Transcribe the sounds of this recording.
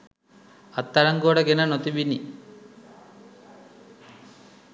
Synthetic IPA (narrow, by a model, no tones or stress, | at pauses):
ɐt̪ːɐɾɐŋɡoːɽɐɡenɐnot̪ibini